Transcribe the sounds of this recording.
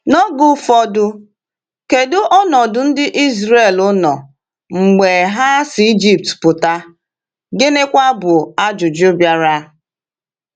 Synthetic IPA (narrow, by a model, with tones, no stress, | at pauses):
nɔ˦ɡʊ˨fɔ˦dʊ˦ | ke˨dʊ˦ʔɔ˦nɔ˨dʊ˨n̩˦dɪ˦ʔi˦zɾe˦˨lʊ˦nɔ˨ | ŋ͡m̩˨ɡ͡be˨ɦa˦sɪ˨i˦d͡ʒi˦p̚tpʊ˨ta˦ | ɡɪ˦ne˦kʷa˦bʊ˨a˦d͡ʒʊ˨d͡ʒu˦bja˦ɾa˦